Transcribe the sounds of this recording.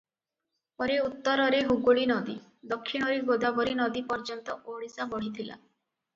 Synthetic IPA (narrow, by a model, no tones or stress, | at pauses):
pɔɾeut̪ːɔɾɔɾeɦuɡoɭinɔd̪id̪ɔkʰːiɽ̃ɔɾeɡod̪abɔɾinɔd̪ipɔɾd͡ʒɔnt̪ɔʔoɽisabɔɽ̤it̪ʰila̰